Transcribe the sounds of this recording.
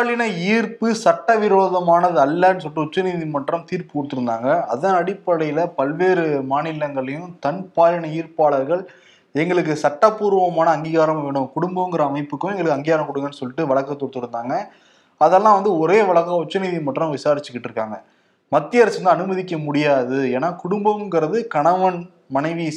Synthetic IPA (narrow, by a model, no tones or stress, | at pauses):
paːɭɪnɐiːɾpɯsɐʈːɐʋɪɾoːðɐmaːnɐðɯɐlːɐnːɯs̬ɔʈːɯɔt͡ʃːɐniːðimɐʈrɐmt̪iːɾpɯkɔɽɯt̪ːɯɾɯnd̪aːŋɡɐɐðɐ̃ːɐɽɪpːɐɭɐjɪlɐpɐlʋeːɾɯmaːnɪlɐŋɡɐɭɐjʊ̃t̪ɐnpaːɻɪɳɐiːɾpaːɭɐɾɣɐɭ | ɛŋɡɐɭɯk̬ːɯsɐʈːɐpːuːɾʋɐmaːnɐːŋɡiːɣaːɾɐmʋeːɳɯmkʊɽʊmbɐʋɯŋɡɪɾɐːmɐɪpːɯkːɯ̃mɛŋɡɐɭɯkːɐŋɡiːɣaːɾɐmkɔɽɯŋɡɐnːɯsɔlːɪʈːɯʋɐɭɐkːɐt̪ːɔɽɯt̪ːɯɾɯnd̪aːŋɡɐ | ɐðɐlːãːʋɐnd̪ɯɔɾeːʋɐɭɐkːɐʊt͡ʃːɐniːðimɐʈrɐ̃mʋɪsaːɾɪt͡ʃːɯkːɪʈːɪɾɯkːaːŋɡɐ | mɐt̪ːɪjɐɾɐsɐnd̪ãːnɯmɐðɪkːɐmʊɽɪjaːðɯeːnːaːkʊɽʊmbɐmɯɡɪɾɐðɯkɐɳɐʋɐn | mɐnɐɪʋi